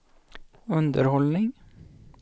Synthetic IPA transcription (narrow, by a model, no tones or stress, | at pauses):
ʉnd̪əɾhɔlnɪŋ